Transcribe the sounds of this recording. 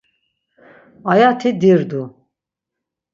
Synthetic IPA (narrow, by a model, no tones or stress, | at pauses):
ajat̪ʰid̪iɾd̪u